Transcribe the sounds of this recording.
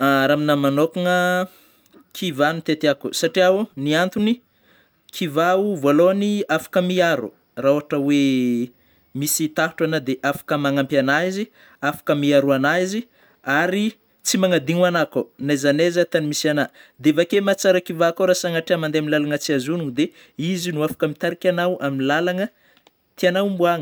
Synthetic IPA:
aɾaminamanokuŋə | kʰivanit̪et̪akusaʈ͡ʂiauniant̪uni | kʰivauvoaloaniafḁkəmiaɾṵ | rauaʈ͡ʂəwe | misit̪aɦuʈ͡ʂanad̪eʔafḁkəmaŋampjanaizi | afḁkəmiaɾuanaizi | aɾi | t͡simaŋad̪iŋanakonajzanezat̪animisanad̪evakemat͡saɾakivakoɾasaŋaʈ͡ʂiamand̪eaminilalaŋət͡siazunuŋd̪e | izinuafḁkəmit̪aɾikʲanawʔaminilalaŋə | t̪ianawmbuaŋə

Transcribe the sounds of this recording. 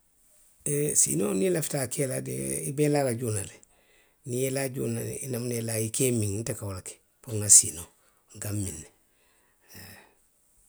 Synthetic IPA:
esḭːnonilafi̥takeladḛibelalaɟunale | nijelaɟṵːnainamnelaikeːmiŋntakawolake̥ | poŋasino | ŋɡamːinːe

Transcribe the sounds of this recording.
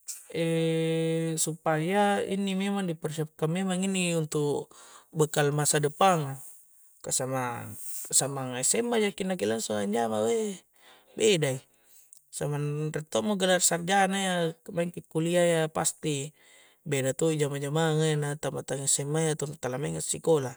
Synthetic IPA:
ɛ | supajaḭnimɛmaŋdipərsiap̚kanmːemaŋiniunt̪ukbəkalmasadəpaŋa | kasamaasamaŋasɛmːajakinakilansuŋaɲd͡ʒamawɛ | bedai | samanrɛt̪ɔmoɡəlarsard͡ʒanajamaiŋkikuliajapa̰st̪i | bedat̪uid͡ʒamad͡ʒamaŋanat̪amat̪aŋisɛmːajat̪ɔnt̪alamɛŋat̪sikola

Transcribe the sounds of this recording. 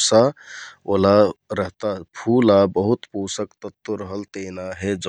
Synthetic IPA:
saolaɾəɦt̪apʰulabəɦut̪pusəkt̪ət̪ːəɾəɦəlt̪enaɦed͡ʒ

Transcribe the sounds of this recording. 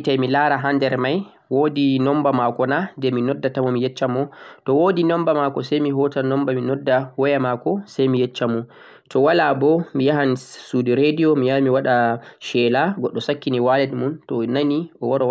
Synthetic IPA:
tajmilaɾaɦandɛɾmaj | woːdinɔmbamakɔnandɛminɔdːatamɔmijɛt͡ʃːamɔtɔwoːdinɔmbamakɔsajmiɦɔtanɔmbaminɔdːawɔjamakɔsajmijɛt͡ʃːamɔ | tʰɔwalabɔmijaɦansudiɾedijɔmijamiwaɗaʃɛlaɡɔɗːɔsakːiniwalɛdmuntɔnaniʔɔwɔɾɔ

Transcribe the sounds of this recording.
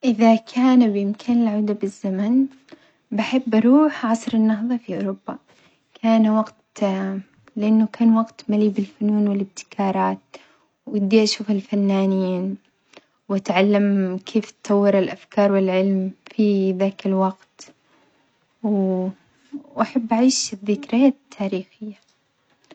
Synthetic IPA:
ʔɪðakʰaːnbɪʔɪmkʰaːnɪlʕaːd̪abɪzːaman | baħɪbːaɾˤuːħʕɑsˤɾɪnːɑɦðˤɑfiʔʊɾʊbːa | kʰaːnwɑɡt̪ | lɪʔanːʊkaːnwɑɡt̪maliːbɪlfʊnuːnwɪlɪb̚t̪ɪ̥kʰɑːɾˤɑːt̪̚ | wɪd̪ːiʔaʃuːfɪlfanːaːnjiːn | wat̪ʕalːamkʰeːft̪t̪ːˤɑwːɪɾɪlʔafkɑːɾˤwɪlʕɪlmfiðaːkɪlwaɡt̪ | w | ʔaħabːaʕiːʃbðɪkɾajaːt̪ʰːaːɾiːxɪjːa

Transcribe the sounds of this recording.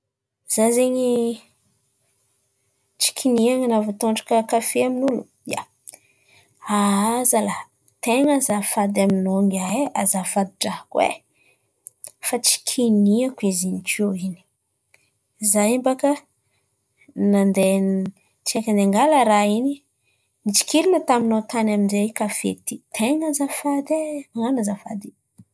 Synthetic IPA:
z̥azeɲi | t͡ʃi̥kʰiniaŋanavut̪oɳɖ͡ʐḁkəkafeaminulu | ja | azala | t̪eŋazafad̪aminoŋɡaeazafad̪iʈ͡ʂahkwḛ | fat͡ʃi̥kʰiniakizinikʰoini̥ | zaimbakə | nand̪e | t͡ʃiakand̪eŋɡaləɾaini | nit͡ʃi̥kiɾinət̪aminot̪anaminzeikafḛt̪it̪ʰeŋazafad̪eaŋanazafad̪i

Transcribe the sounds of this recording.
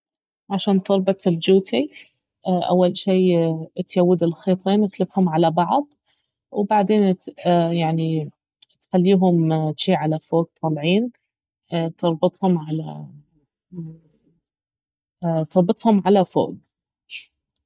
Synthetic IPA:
ʕaʃaːnt̪ɨɾˤbɑt̪ˤɪld͡ʒuːt̪ʰi | ʔʔa̰wːalʃiːt̪jawːɪd̪ɪlxeːt̪ˤeːnʔɪt̪lɪfhʊmʕalabɑʕd̪ˤ | wbaʕd̪eːnjaʕni | t̪xalːiːɦʊmt̪ʃiːʕalafoːɡ̚t̪ˤɑlʕiːn | t̪ɨɾˤbɨt̪ˤhʊmʕala̰ | t̪ɨɾˤbɨt̪ˤhʊmʕalafo̰ːɡ

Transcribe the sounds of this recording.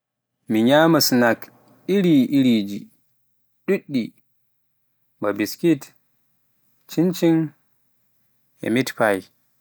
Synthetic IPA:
miɲaːmasnak | iɾiʔiɾid͡ʒi | ɗuɗːi | babiskit | t͡ʃint͡ʃin | ɛ̰mitpaj

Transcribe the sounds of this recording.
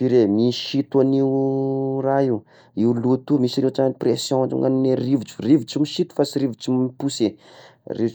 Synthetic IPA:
iɾemiʃit̪uaniuraiw | iulut̪umisiɾeʈ͡ʂaanipresjõaʈ͡ʂa̰mŋanineriviʈ͡ʂu̥riviʈ͡ʂimiʃit̪u̥fasiɾiviʈ͡ʂimipuseriv

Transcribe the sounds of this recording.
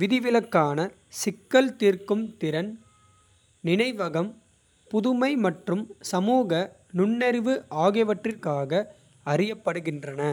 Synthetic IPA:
ʋɪðɪʋɪlɐkːaːnɐ | sɪkːɐlt̪iːrkɯmt̪ɪɾɐn | nɪnɐɪʋɐɣɐm | pʊðʊmɐɪmɐʈrɯmsɐmuːɣɐ | nʊɳːɛɾʋɯʔaːɣɪʋɐʈrɪrkaːɣɐ | ɐrɪjɐpːɐɽɯɣɪndrɐnɐ

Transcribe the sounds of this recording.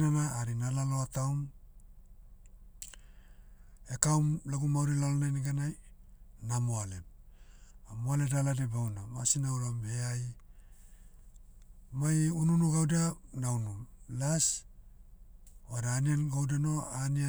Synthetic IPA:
nanaːɾinalalo̞atawm | ekawmlaɡumawɾilalonajnaɡanajnamoale̞m | amoaledaladebawnamasinauɾamheaj | majununuɡawdianaunumlas | oadaːnianɡawdeno̞ania

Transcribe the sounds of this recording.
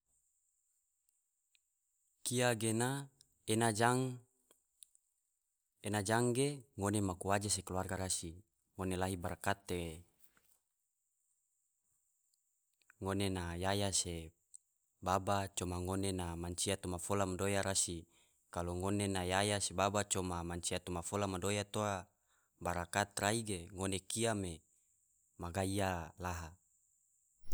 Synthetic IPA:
kiaɡena | enad͡ʒaŋ | enad͡ʒaŋɡeŋonemakuad͡ʒas̬ekəluarɡaɾasi | ŋonelaɦibaɾakat̪ːe | ŋonenajajase | babat͡ʃomaŋonenamaɲt͡ʃiat̪omafolamadojaɾasi | kaloŋonenajajasebabat͡ʃomamaɲt͡ʃiat̪omafolamadojat̪oa | baɾakat̪raiɡeŋonekiame | maɡaialaɦa

